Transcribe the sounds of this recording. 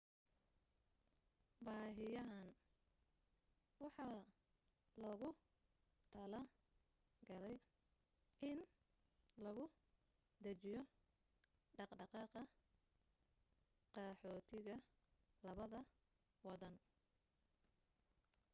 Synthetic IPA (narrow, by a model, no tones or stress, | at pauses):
bɑːɦɪjɐɦɐn | wɑħɑː | lɔɣʊ | t̪ʰɐlɐ | ɡɐlɛj | ʔɪn | lɐɣʊ | d̪ɐt͡ʃɪjɔ | ɖɑqɖɑqɑːqɐ | qɑːħɔːt̪ʰɪɣɐ | lɐβɐðɐ | wɑðɐn